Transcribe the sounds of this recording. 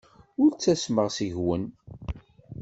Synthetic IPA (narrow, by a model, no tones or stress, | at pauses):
ʊɾt͡sːæsməʁsiʝwən